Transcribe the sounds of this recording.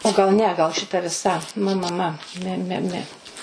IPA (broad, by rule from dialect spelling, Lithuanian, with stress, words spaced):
oː ɡɐlˠ ˈnʲɛ ɡɐlˠ ʃʲɪˈtɐ ʋʲɪˈsɐ ˈmɜ ˈmɜ ˈmɜ ˈmʲɛ ˈmʲɛ ˈmʲɛ